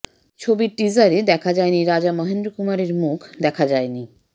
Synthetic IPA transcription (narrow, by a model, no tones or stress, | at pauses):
t͡ɕʰobiɾʈizaɾed̪ɛkʰad͡ʑajniɾad͡ʑamɔɦend̪ɾokumaɾeɾmukʰd̪ɛkʰad͡ʑajni